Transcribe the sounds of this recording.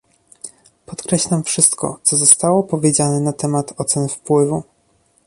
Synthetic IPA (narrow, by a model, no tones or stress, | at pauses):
pɔt̪kɾɛɕlamfʂɘst̪kɔ̰t̪sɔzɔst̪awɔpɔvʲjed͡ʑanɛnat̪ɛmat̪ʰɔt̪sɛnfpwɘvu